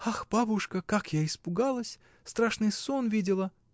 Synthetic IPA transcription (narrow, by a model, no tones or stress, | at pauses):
axb̥abʊʂkəkakjaɪspʊɡalˠəsʲ | st̪ɾaʂnɨjsonvʲidʲɪlˠə